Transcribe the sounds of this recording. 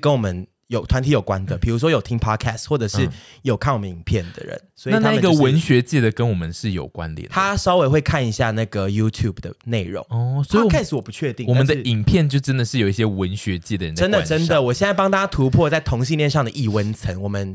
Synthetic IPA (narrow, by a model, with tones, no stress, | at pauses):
kə˦nwɔ˨˩mə˦n | jo˨˩ʊt̪ʰwa˧˦nt̪ʰi˧˥jo˨˩kwa˦nd̪ə˨pʰi˨˩ɻu˧˥ʂ̬wɔ˥jo˨˩ʊt̪ʰi˥ŋpʰɑ˥kʰæ˥˩stxwɔ˥˩ʈ͡ʂɤ˨˩ʂɻ̩˥˩jo˨˩ʊkʰa˥˩nwɔ˨˩mə˦ḭ˨˩ŋpʰjɛ˥˩nd̪ə̰˩ɻə̰˧˦nswɔ˧˥˨a˥nʰa˥˩i˨˥ɡə˥˨˩wə˧˦nɕɥɛ˧˦˥t͡ɕɛ˥˩d̪ə˩kə˦nwɔ˨˩mə˨nʂɻ̩˥˩jo̰˨˩ʊkwa̰˦nd̪̰t̪ʰa˦ʂɑ˥ʊwe˧ɪxwe˥˧ɪkʰa˥˩ni˧˥ɕja˥˧na˥˩ɡə˩ju˥t̪ʰju˥˩bd̪ə˩ne˥˩ɪɻʊ̰˧˦ŋɔ˥˩swɔ˥i˥kʰa˥ɪʂɻ̩˧˥wɔ˨˩pu˨˧˥t͡ɕʰɥɛ˥˧t̪i˥˧ŋwɔ˨˥ə˨˦˧d̪ə˥˩i˨˩ŋpʰjɛ˥˧nt͡ɕjo˥˩ʊʈ͡ʂə˦˥nd̪ə˨ʂɻ̩˥˩jo˨˩ʊi˥˩ɕjɛ˥wə˧˦nɕɥɛ˧˦t͡ɕjɛ˥˩d̪ə˨ɻə˧˦nə˥nd̪ə˨˧ʈ͡ʂə˦˥nd̪ə˨wɔ˨˩ɕjɛ˥˧na˥˩p̬ɑ˥ŋt̪a˥a˥t̪ʰu˧˥pʰwɔ˥˧t͡sa˥˩ɪt̪ʰo˧˥ŋɕi˥˧nljɛ˥˧nʂɑ˥˨ŋd̪ə˩ʔi˥˩wə˦˥nt͡sʰə˧˥ŋwɔ˨˩mə˦n